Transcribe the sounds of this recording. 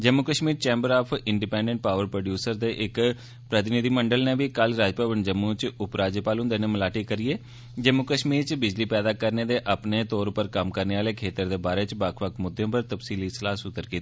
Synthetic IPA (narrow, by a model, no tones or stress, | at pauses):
d͡ʒəmːuːkəʃmiːɾt͡ʃɛ̃ːmbəɾaːpʰɪɳɖipɛ̃ːɳɖəɳʈ̚paːʋəɾpɾoːɖjuːsəɾd̪eːʔɪk | pɾət̪ɪnɪd̪iːməɳɖəlneːʋiːkəlɾaːd͡ʒpaːʋənd͡ʒəmːuːt͡ʃʊpɾaːd͡ʒəpaːlɦʊ̃nd̪eːnẽːməlaːʈiːkəɾieː | d͡ʒəmukəʃmiːɾt͡ʃbɪd͡ʒliːpɛːd̪aːkəɾneːd̪eːʔəpneːt̪oːɾpəɾkəmkəɾneːaːleːkʰeːt̪əɾd̪eːbaːɾeːt͡ʃbakʰʋəkʰmʊd̪ːeõːpəɾt̪əpsiːliːsəlaːsʊt̪ːəɾkiːt̪iː